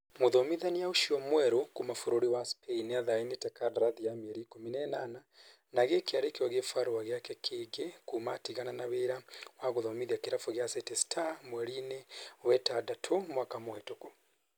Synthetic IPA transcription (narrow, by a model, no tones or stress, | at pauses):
muðɔmiðanijauʃiɔmwɛɾukumafuɾoɾiwaspʰɛinɛaðainitɛkaɾɾaðijamɛɾikuminɛnana | naɣekiaɾekiwɔɣefaɾuwaɣjakɛkʰeɡɛkumatiɣananaβeɾawaɣuðɔmiðiakiɾafɔɣjasɛtɛstʰamwɛɾinɛwɛtadatʰomwakamwɛtoku